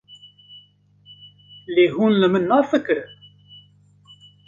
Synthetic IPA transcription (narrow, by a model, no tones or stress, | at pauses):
liɦunləmənːaɾfəkːɾə